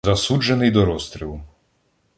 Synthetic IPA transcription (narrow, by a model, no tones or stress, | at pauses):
zɐsud͡ʒenɪjd̪ɔɾɔst̪ɾʲilˠʊ